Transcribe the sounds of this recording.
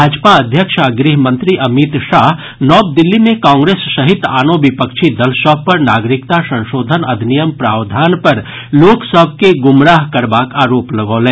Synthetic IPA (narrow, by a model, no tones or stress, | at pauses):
aːd͡ʒpaɐd̪ʱjəkʃaɡɾiɦmə̃nt̪ɾiʔɐmit̪ʃaːɦ | nɔːb̚d̪ɪlːimẽkãːŋɡɾeːsːɐɦɪt̪a̰ːnõbɪpəkʃʰid̪ɐlʃɔːbpɐɾnaːɡɾɪkt̪asɐ̃nʃoːd̪ʱənɐd̪ʱnijəmpɾaːwd̪ʱaːnpɐɾ | loːksəb̚ʱkeɡʊmɾaːɦkɐɾbaːkaːɾoːplɐɡoːlẽː